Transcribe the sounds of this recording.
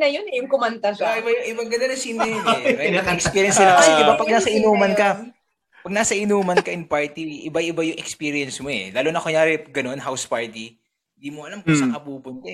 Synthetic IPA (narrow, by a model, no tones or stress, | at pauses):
nɐjonɛjʊŋkʊmɐnt̪ɐsɪbajʊŋʔɪbɐɡɐd̪onɐsimɛmɐɐɛkspiːɾjɐnsɐlak̪ɪbapɐɡ̚naːsɐʔɪnuːmɐnkɐ | pɐɡ̚nasɐʔɪnuːmɐnkɐʔɪŋpaɹt̪iʔɪbajɪbajʊŋʔɛkspiːɾɪɐnsmo̞ɛ̰laːlonɐkojaːɾɛɡɐno̞nɦawspaɹt̪i | ɪnd̪iːmoʔɐlamkʊŋsɐkɐbuːpʊnt̪ɛ